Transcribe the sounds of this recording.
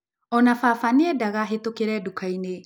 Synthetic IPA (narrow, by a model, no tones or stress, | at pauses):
ɔnafafaneɛdaɣaɦetokeɾɛdukʰaine